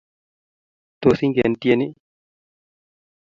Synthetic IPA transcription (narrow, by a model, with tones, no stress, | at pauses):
t̪o˨si˦ŋɡḛ˨nt̪i˦e˦ni˦